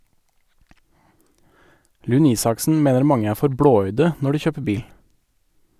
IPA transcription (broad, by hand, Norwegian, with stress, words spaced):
ˈlʉn ˈiːsɑksn̩ ˈmeːnəɾ ˈmɑŋə ˈæː ˈfɔɾ ˈbɽoːˌœʏdə ˈnɔ ˈɖiː ˈçøːpə ˈbiːl